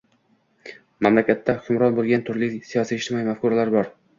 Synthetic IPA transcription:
mamlakʲat̪ʰːahʊ̥kʰʲʊmɾɒnbolˠɡʲant̪ʰʊɾlisijɒsiɪʃt̪ɪmɒimafkʊɾalaɾbɒɾ

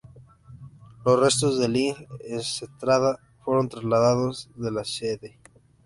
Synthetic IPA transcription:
losre̞st̪ozðeliŋenset̪ɾaða | fwe̞ɾo̞nt̪ɾazlaðaðozðe̞laseðe

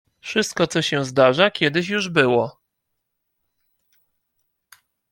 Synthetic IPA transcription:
fʂɘst̪̚kɔt̪sɔɕɛ̃zd̪aʐakʲɛd̪ɘɕjuʐbɘwɔ

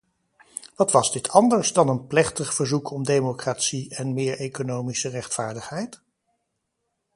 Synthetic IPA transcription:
ʋɑtʋɑzdɪtʰɑndəɹzdɑnənplɛχtəχv̥əɹzukʰɔmdejmokraːtsiɛnmɪːɹejkonowmisərɛχtfaːɹdəχɦɛjt

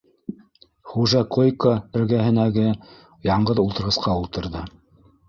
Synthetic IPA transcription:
χuʒɑqʰojkoɘ̆ɾɡæɦɘ̆næɡɘ | jɑɴɢɤðulˠt̪ɤ̆ɾʁɤ̆sqɑulˠt̪ɤ̆ɾðɤ

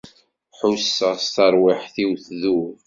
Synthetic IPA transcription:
ħusːəʁst̪əɾwiħθiwθðu

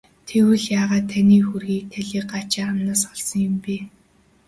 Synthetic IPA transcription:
t̪ʰewɘ̆ɮjaːʁaːt̪ʰːaniːxurɣiːk̚t̪ʰæɮʲiːk̚ɢat͡ɕɪːamnaːsɔɮsɞ̆ŋjʊmpiː

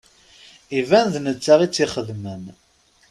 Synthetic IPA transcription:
ivænðnət͡sːaʁit͡sːiχəðmən

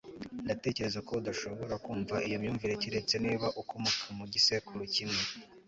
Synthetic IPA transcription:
ndate̞ːce̞ɾe̞zako̞udaʃo̞βo̞ɾakuːɱvaʔijomɲuːɱviɾeciɾe̞t͡se̞niːβaʔukomukumuɟisekuɾocimŋe̞

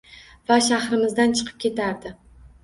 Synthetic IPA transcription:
vaʃahɾɪmɪzd̪ant͡ʃʰɨ̥qʰɨ̥p̚kʲe̞t̪ʰaɾd̪ɪ

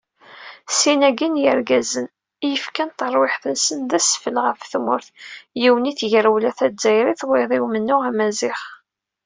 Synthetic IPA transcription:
sinæɡinjəɾɡæzən | ijəfkænt̪əɾˤwɪħθənsənðæsfəlʁəfθmʊ̰ɾθjiwəniθʝəɾwlæθæzæjɾiθweðˤɪwmənːʊʁæmæzɪχ

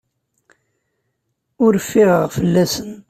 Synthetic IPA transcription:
ʊɾəfːɪʁʁfəlːæsən

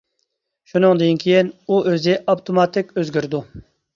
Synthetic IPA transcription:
ʃunɨŋd̪iinkʲʰejinuʔøzɪʔɑpt̪ʰomɑt̪ʰɪkʲøzɡʲyɾd̪u

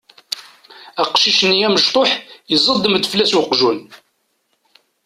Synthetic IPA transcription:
æqʃiʃənjæməʃt̪ˤoħjəzˤəd̪ːəmd̪flæswəqʒun

